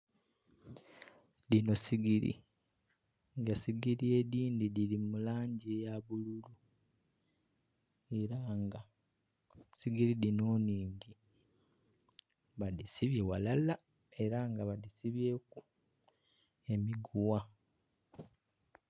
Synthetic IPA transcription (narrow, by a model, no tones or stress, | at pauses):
dino̞siɡiɾḭ | ŋɡasiɡiɾie̞ðiːndidilimulaːɲɟejaβululu | e̞ɾaŋɡa | siɡiɾidino̞ːniːɲɟi | βadisiβje̞walala | e̞ɾaŋɡaβadisiβje̞ku | e̞miɡuwa